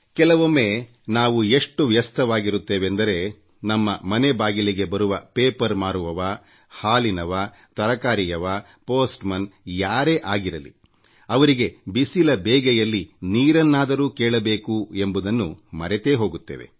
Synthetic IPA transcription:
kɛlɐʋomːeː | naːʋueʂʈuʋjɐst̪ʰɐʋaːɡiɾut̪ːeːʋend̪ɐɾe̞ | nɐmːɐmɐnebaːɡiliɡe̞bɐɾuʋɐpeːpɐɾmaːɾuʋɐʋɐ | haːlinɐʋa | t̪ɐɾɐkaːɾijɐʋɐ | poːsʈmɐnjaːɾe̞ːʔaːɡiɾɐlḭ | ɐʋɐɾiɡe̞bisilɐbeːɡɛjɐlːiniːɾɐnːaːd̪ɐɾuːkeːɭɐbeːkue̞mbud̪ɐnːṵmɐɾet̪e̞ːɦo̞ːɡut̪ːḛːʋe̞̰

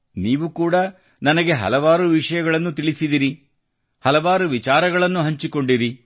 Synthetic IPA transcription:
niːʋukuːɽɐ | nɐnɐɡe̞ɦɐ̰lɐʋaːɾuʋiʂɐjɐɡɐɭɐnːut̪iɭisid̪iɾi | hɐlɐʋaːɾuʋit͡ʃaːɾɐɡɐɭɐnːuɦɐɲt͡ʃiko̞ɳɖiɾi

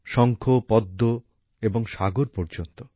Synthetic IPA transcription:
ʃɔŋkʰopɔd̪ːo | eboŋʃaɡoɾpɔɾd͡ʒont̪o

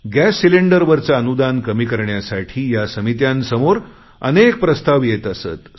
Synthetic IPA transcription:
ɡæsːileɳɖəɾʋəɾt͡saənud̪ankəmiːkəɾɳjasaʈʰiːjasəmit̪jansəmoɾ | ə̰nek̚pɾəst̪aʋjet̪əsə̰t̪

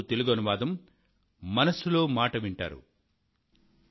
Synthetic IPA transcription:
t̪e̞luɡɐnuʋaːd̪ɐmː | ɐnɐsulo̞ːmaːʈɐʋiɳʈa̰ːɾṵ

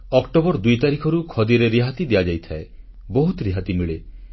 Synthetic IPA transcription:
ɔkʈobɔɾd̪ujt̪aɾikʰɔɾukʰɔd̪iɾeɾiɦat̪id̪ijad͡ʒajt̪ʰae | bɔɦut̪ɾiɦat̪imiɭe

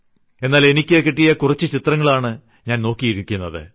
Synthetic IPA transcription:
e̞nːaːle̞nikʲːekːiʈːijɐkurɐt͡ɕːɨt͡ɕit̪rɐŋːɐɭaːɳɨ | ɲaːnno̞ːkːijiɾukʲːunːɐðɨ̰

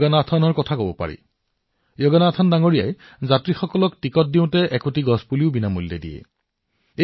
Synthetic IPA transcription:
ɡanaːtʰanɔɹkɔtʰakobɔpa̰ɹḭ | joɡanaːtʰandaŋoɹija̰j | zatɹixɔkɔlɔktikɔt̚diʊ̃tɛʔɛkotiɡɔspuliʊbinamulːɛ̰dḭjɛ̰ | e

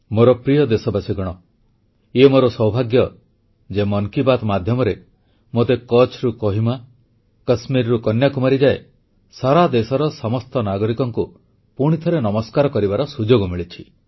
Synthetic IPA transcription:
moɾɔpɾijɔd̪esɔbasiɡɔɽ̃ɔ | emoɾɔsɔwbʱaɡjɔ | d͡ʒemɔŋkibat̪mad̪ʱjɔmɔɾe | mot̪ekɔt͡ʃʰɾukɔɦima | kɐsmiɾɾukɔnjakumaɾid͡ʒae | saɾad̪esɔɾɔsɔmɔst̪ɔnaɡɔɾikɔŋku | puɽ̃it̪ʰɔɾenɔmɔskaɾɔkɔɾibaɾɔsud͡ʒoɡɔmiɭit͡ʃʰi

